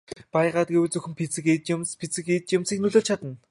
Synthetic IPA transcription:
pajʁaːt̪̚ɡewɘ̆ɮt͡sɵxɘ̆mpʰit͡sɘ̆ket͡ɕmspʰit͡sɘ̆ket͡ɕjamsiːknɵɮoːɮt͡ɕʰat̪ə̆n

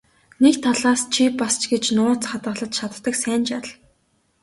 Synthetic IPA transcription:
nekt̪ʰːaɮaːst͡ɕʰipast͡ɕɡet͡ɕnʊːt͡sχat̪ɢə̆ɮə̆t̪ʃʰat̪ːə̆ksæːnt͡ɕarɮ

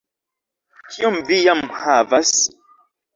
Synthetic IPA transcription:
kʰiɔmvijamhavas

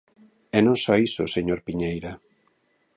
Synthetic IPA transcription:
ɛnõŋsɔisoseɲoɾpiɲejɾa

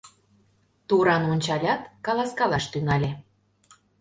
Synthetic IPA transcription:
t̪uɾɑnonʲt͡ɕɑlʲɑt̪kɑlˠɑskɑlɑʃt̪ynɑlʲe

